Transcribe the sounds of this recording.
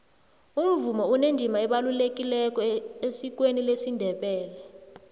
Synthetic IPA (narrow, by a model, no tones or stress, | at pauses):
um̩vumɔunend͡ʒʱimaɛɓalulekʼilɛk̬ʼɔesik̬ʼwenilesindʱɛɓɛːlɛ